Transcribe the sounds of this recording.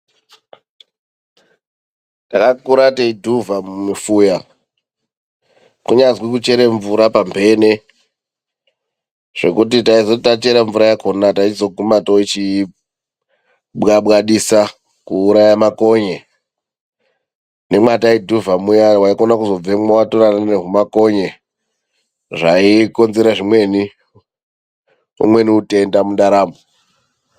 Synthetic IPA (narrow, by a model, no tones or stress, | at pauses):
takakuɾateidʱuvamumufuja | kuɲazwikut͡ʃe̞ɾeɱvuɾapambʱe̞ne | ʐ̥e̞kut̬itaizotat͡ʃe̞ɾaɱvuɾajakʰonataizo̞ɡʱumatoit͡ʃi | ɓɣaɓɣaɗisa | kuːɾajamako̞ɲe | ne̞mwataiduvamujawaikonakuzo̞b͡vemowatoɾananeɦumako̞ɲe | ʐaiko̞nzeɾaʐimwe̞ni | ṵmwe̞niute̞ndamundaɾaːmbo